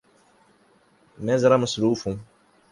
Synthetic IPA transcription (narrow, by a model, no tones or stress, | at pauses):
mɛzɾamasɾuːfũ